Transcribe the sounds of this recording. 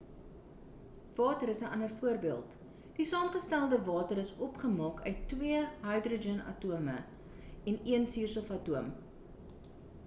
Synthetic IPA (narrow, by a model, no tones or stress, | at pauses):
v̥ɑːtəɾəsəʔɐnərfuərbiəlˠt | d̥isɑːmχəstælˠdəvɑːtəɾəsɔpχəmɑːkʰœ̰ɥtːwiəɦɐjdrod͡ʒɛnɐ̰tuəmə̰ | ɛniənsirsəfɐtuəm